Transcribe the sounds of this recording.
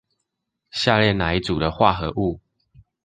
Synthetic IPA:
ɕja˥˧ljɛ˥˨na˨˦i˦t͡su˨˩ɾə˦xwa˥˨xɤ˧˦ʔu˥˨

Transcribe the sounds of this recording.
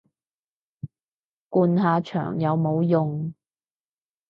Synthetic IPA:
kuː˧nɦaː˨˧t͡ʃʰœ̰ː˨˩ŋjɐ˨˧wmo˨˧wjʊ˨ŋ

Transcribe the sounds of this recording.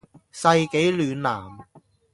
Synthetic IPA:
sɐ˧jke˨˥jlyː˨˧nlaː˨˩m

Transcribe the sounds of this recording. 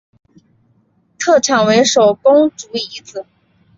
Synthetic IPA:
t̪ʰɤ˥˩ʈ͡ʂʰɑ˨˩ŋwe˧˥ɪʂo˨˩ʊpʊ˥ŋʈ͡ʂu˧˥i˧˥t͡sɹ̩˨˩˦

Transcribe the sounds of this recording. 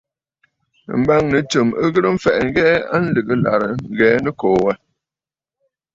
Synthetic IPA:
m̩˦ba˦ŋnɨ˨t͡ʃə˨mə˦ɣɨ˦ɾə˦ɱ̩˦fɛ̰˨ʔŋ̩˦ɡɛ˦a̰˦n̩˦lɨ˨ɡɨ˦la̰˨ɾə˨ŋ̩˦ɡɛː˨˦nə˦kɔː˨wə˦

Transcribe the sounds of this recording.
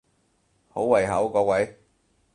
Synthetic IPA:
ho˨˥wwɐ˨˩jɦɐ˨˥wkɔː˨˧wɐ˨˥j

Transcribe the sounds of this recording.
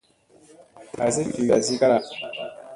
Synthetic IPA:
a˨ze˦ki˨a̰˨zi˦ka˦a˦

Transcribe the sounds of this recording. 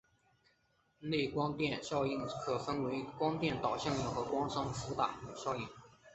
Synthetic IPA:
ne˥˩kwɑ˥ŋt̪jɛ˥˧nɕjɑ˥˧ʊi˥˩nkʰɤ˨˩fə˥nwe˧˥ɪkwɑ˥ŋt̪jɛ˥˩nt̪ɑ˨˩ʊɕjɑ˥˩ŋji˥˩ʊxɤ˧˥kwɑ˥ŋʂɑ˥ŋfu˧˥t̪a̰˨˩˨ɕjɑ˥˧ʊi˥˩ŋ

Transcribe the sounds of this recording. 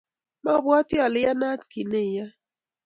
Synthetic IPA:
ma˦˨bwɔ˦tjɔ˨lɪ˦ja˦na˦tki˨ne˦˨ja˦

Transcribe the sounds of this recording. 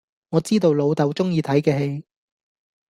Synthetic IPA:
ŋɔː˨˧t͡siː˥t̪o˧wlo˨˧wt̪ɐ˨˧wt͡sʊ˥ŋjiː˨˧t̪ʰɐ˨˥jkɛː˧he˧j

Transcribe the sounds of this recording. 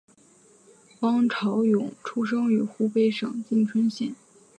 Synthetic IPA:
pɑ˥ŋʈ͡ʂʰɑ˧˥ʊjʊ˨˩˦ŋʈ͡ʂʰu˥ʂ̬ɤ˥ŋy˨˩xu˥pe˥˩ɪʂɤ˨˩ŋt͡ɕi˥˩ŋʈ͡ʂʰwə˥nɕjɛ˥˩˦n

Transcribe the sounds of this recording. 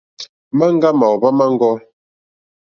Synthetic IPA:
ma˦ŋ˦ɡa˦ma˨wba˦ma˦ŋ˦ɡɔ˦

